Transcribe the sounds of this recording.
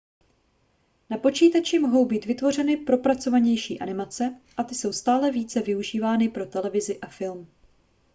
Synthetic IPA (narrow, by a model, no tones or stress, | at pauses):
napo̞t͡ʃiːt̪at͡ʃɪmo̞ɦo̞wbiːt̪vɪt̪vo̞r̝ɛnɪpɾo̞pɾat͡so̞vaɲɛjʃḭːʔa̰nɪmat͡sɛʔat̪ɪso̞wst̪aːlɛviːt͡sɛvɪuʒiːvaːnɪpɾo̞t̪ɛlɛvɪzɪʔafɪlm